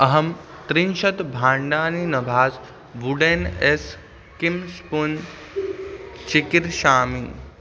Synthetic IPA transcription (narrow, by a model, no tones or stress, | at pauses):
ɐɦɐm | t̪ɾinʃɐt̪bʱãːɳɖaːninɐbʱaːz | ʋuɖenes | kimspun | t͡ʃikiɾʃaːmi